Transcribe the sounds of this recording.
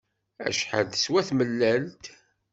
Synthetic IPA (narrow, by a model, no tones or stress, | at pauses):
æ̰ʃħə̰d̪swæθməlːælt̪